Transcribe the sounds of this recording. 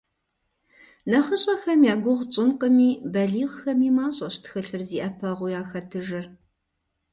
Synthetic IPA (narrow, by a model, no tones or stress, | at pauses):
nɐχəɕʼɐxɐmjaːɡʷʊʁt͡ʃʼɪnqəmiːbɐɮiːʁxɐmiːmaːɕʼɐɕtʰxɨɬɨrziːʔɐpʰɐʁʷʊjaːxɐtʰɨʒɨr